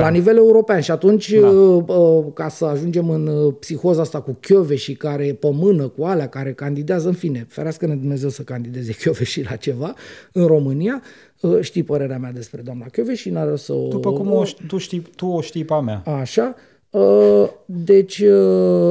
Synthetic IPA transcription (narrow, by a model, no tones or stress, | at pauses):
lanive̞le̞uɾo̞peanʃiat̪unt͡ʃʲəkasəaʒund͡ʒe̞mɨnpsixo̞zaast̪akukʲjo̞ve̞ʃikaɾe̞pəmɨnəkualeakaɾe̞kand̪id̪eazəɨnfine̞feɾeaskəned̪umne̞ze̞wsəkand̪id̪e̞ze̞kʲjo̞ve̞ʃila̰t͡ʃe̞vaɨnɾo̞mɨnija | əʃt̪ijpəɾe̞ɾeamead̪e̞spɾe̞d̪oamnakʲjo̞ve̞ʃinaɾosə̰d̪upəkumot̪uʃt̪it̪uoʃt̪ijpamea̰aʃa | ə | d̪e̞t͡ʃʲə